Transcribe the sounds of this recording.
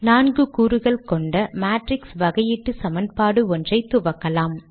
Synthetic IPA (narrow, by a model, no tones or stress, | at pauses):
naːnɡɯkuːɾɯɣɐɭkɔɳɖɐmaːʈɾɪksʋɐɣɐjɪʈːɯsɐmɐnpaːɽɯɔndrɐɪt̪ːʊʋɐkːɐlaːm